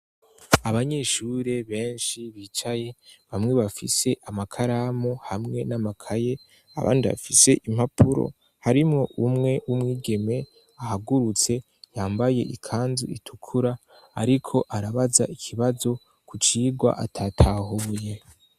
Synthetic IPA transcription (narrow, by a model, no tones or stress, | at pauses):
aβaɲe̞ːʃuːɾe̞βe̞ːnʃiβiːt͡ʃaje̞βamŋe̞βafise̞ʔamakʰaɾamohamŋe̞namakʰaje̞ | a̰βʔa̰ːndiβa̰fise̞ʔim̥hapʰuɾo̞̰ | haɾimŋo̞ʔumŋe̞wumŋiːɡe̞me̞ | ahaɡuɾut͡se̞ | jaːmbaje̞̰ʔikʰaːnzḭitʰukʰuɾaː | ɾikʰo̞ʔaɾaβaza̰ʔikʰiβazo̞ | kut͡ʃiːɡwa̰ʔatʰatʰaɦuːje̞